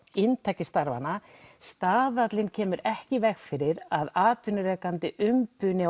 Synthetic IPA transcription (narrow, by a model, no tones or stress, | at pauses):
ɪnt̪ʰaːcɪst̪aɾva̰nast̪aːðat̪lɪncʰɛːmʏɾɛhcɪvɛxfɪɾɪɾaðaːt̪vʏnʏɾɛːkant̪ɪʔʏmpʏnɪ